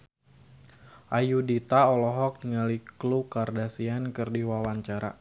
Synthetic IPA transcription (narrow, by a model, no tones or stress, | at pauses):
ʔajudit̪aɔlɔɦɔk̚niŋaliklukardasiankərdiwawaɲt͡ʃaɾa̰